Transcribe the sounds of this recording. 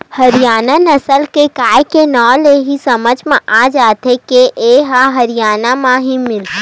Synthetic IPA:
hɐɾijaːnanɐsəlkekaːjkenɔːleɦisɐməd͡ʒʱmẽʔaːd͡ʒaːt̪ekeʔeɦaɦɐɾɪjaːnamãɦimɪl

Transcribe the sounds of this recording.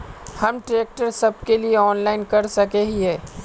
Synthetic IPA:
hɐmʈɾeːk̚ʈəɾsɐb̚kelieɔːnlaːɪnkɐɾsɐkeɦiɦɛː

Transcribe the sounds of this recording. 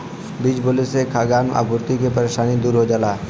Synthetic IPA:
bid͡ʒbolesekʰaɡanʔa̰bʱuɾt̪ikepəɾeʃanid̪uɾɦod͡ʒaːlaː

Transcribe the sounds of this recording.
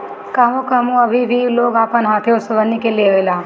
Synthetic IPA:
kaːɦõkəmũəbʱibʱiloːɡaːpənɦãt̪ʰeʊsʋənːikeleɦojlaː

